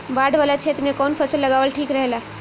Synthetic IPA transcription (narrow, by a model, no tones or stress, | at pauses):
baɖʋalat͡ʃʰet̪mnẽkɔːnpʰəsəlːəɡaːʋəlʈʰiːkɾəɦela